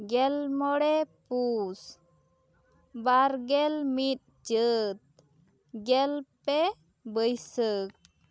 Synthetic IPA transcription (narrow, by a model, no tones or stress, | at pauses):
ɡɛlmɔɽɛpus | baɾɡɛlmit̪̚ | t͡ʃət̪̚ | ɡɛlpɛ | bəjsək̚